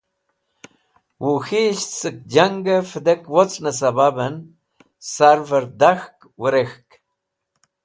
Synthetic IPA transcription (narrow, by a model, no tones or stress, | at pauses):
wuxiʃt͡sɨk̚d͡ʒaŋɡəfəd̪əkwot͡snəs̬ababən | saɾvəɾd̪axk | wəɾexk